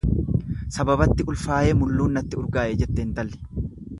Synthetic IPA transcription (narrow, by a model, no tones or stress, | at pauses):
sɐbɐbɐt̪ːɪʊlfaːje̞ːmʊlːuːnːɐt̪ːɪʊɾɡaːʔeːd͡ʒɛt̪ːeːnt̪ɐlːɪ̥